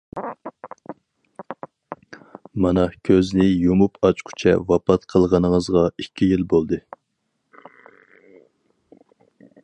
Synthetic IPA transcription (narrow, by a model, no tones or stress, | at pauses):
mɑnɑkʲʰøznɪjomupʰɑt͡ʃqʰu̥t͡ʃʰɛ̰vɑpɑt̪qʰəlˠʁɑnəŋəzʁɑikʲʰːijilbolˠd̪ɨ